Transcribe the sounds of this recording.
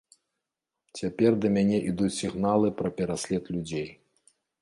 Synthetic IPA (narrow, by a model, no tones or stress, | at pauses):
t͡sʲapʲɛrd̪ɐmʲanʲɛʔid̪ut͡sʲsʲiɣnalˠɨpɾɐpʲɛɾasʲlʲɛt̪lʲud͡zʲej